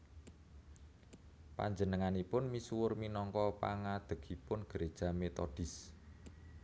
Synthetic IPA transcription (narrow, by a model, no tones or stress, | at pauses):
pa̰ɲd͡ʒənəŋanipʊnmisuwʊrminɔŋkɔpa̰ŋad̪̥ə̤ɡ̥ipʊnɡ̥əɾed̥ʒ̥a̤met̪ɔɖ̥ɪ̤s